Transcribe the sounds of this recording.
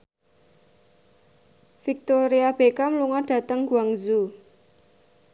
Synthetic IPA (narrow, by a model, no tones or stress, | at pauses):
fik̚t̪oɾiab̥ekamluŋɔɖ̥ä̤t̪əŋɡuaŋzu